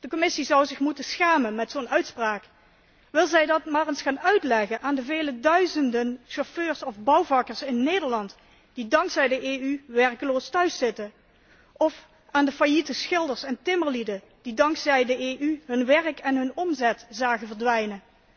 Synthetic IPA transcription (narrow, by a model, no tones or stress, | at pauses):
d̥əkɔmɪsizʌwzɪxmutəsxaːmənmɛtsoːnœɥtspraːk | ʋɪlˠzɛjdɑtmaːrənsχaːnœɥtlɛɣənʔaːndəveːlədœɥzəndənʃoføːɹsɔvbʌwvɑkəɹsɪnːeːdəɹlɑnt | d̥idɑŋksɛjdəʔeːyʋɛɹkəloːstœɥsːɪtə | ɔf | aːndəfajitəsxɪlˠdəɹsɛntɪməɹlidə | d̥idɑŋksɛjdəeːʔyɦɵnʋɛrkɛnɦɵnɔmzɛtz̥aːɣəvəɹdʋɛjnə